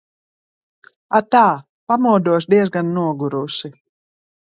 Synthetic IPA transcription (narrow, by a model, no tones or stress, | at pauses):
at̪aː | pamuɔd̪uɔs̬d̪iɛzɡanːuɔɡuɾusi